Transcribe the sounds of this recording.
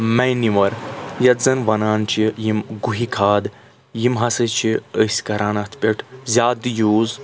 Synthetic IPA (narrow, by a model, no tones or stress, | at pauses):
mɛjniʋɐɾjɐt̪zɐnʋɐnaːnt͡ʃʰijimɡuɦikʰaːd̪ | jimɦɐsɐt͡ʃʰiəsʲkɐɾaːnat̪ʰpʲeʈʰzʲaːd̪ɨjuːz